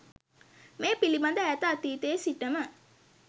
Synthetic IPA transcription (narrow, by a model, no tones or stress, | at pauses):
meːpilibɐnd̪əːt̪əɐt̪iːt̪eːsiʈəmə